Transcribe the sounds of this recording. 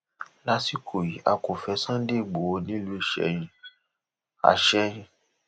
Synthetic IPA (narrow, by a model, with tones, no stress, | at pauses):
la˦si˦kʰo˨ji˨˦ʔa˨˧ko˨fɛ˧sã˦de˦˨ɡ͡bo˨wo˧nĩ˦lu˦i˦˨ʃɛ̰˨˦jĩ˧ | a̰˨ʃɛ˦j̃ĩ˧